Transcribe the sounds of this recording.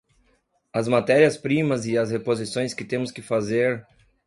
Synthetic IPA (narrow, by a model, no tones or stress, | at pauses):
ɐzmat̪ɛɾiɐspɾĩmɐzɪɐshepozisõj̃skɪt̪ẽmʊskɪfazeɾ